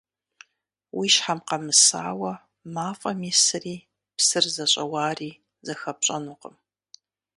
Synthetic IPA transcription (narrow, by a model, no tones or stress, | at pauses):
wʔiːʃħamqɐmɨsa̰ːwɐ | maːfʼɐmisɨriː | psɨrzɐɕʼɐwaːriː | zɐxɐp̚ɕʼɐnuːqʼəm